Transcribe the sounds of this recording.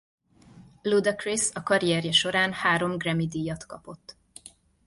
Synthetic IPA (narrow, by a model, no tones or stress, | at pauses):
lud̪ɒkrisɒkɒɾiɛːrjɛʃo̞ɾaːnhaːɾo̞mɡrɛmid̪iːjɒt̪kɒpo̞t̪ː